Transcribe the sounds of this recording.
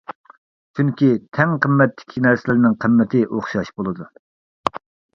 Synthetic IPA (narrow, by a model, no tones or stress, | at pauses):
t͡ʃʰyŋkʲit̪ʰɛŋqʰəmːɛt̪ʰːɪ̥kʲʰinɛɾsɪlɪɾnɪŋqʰəmːɪt̪ʰɪʔoχʃɑʃbolˠɨd̪u